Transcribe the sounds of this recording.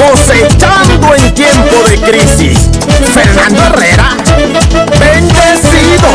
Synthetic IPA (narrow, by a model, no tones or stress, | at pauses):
oset͡ʃan̩deŋ̩kem̩boɾekɾisḭfenaɔɾeɾa | ben̩desidɔ